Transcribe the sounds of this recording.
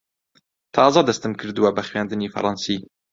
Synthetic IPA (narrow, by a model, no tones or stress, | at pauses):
t̪ʰɑːzad̪ɐst̪ɨmkʰɨɾd̪ɨwabɐxwæːnd̪ɨniːfɐ̰ɾɑːnsiː